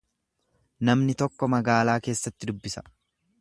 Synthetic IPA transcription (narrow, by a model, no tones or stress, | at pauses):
nɐmnɪt̪ɔkːɔmɐɡaːlaːke̞ːsːɐt̪ːɪd̪ʊbːɪsɐ̥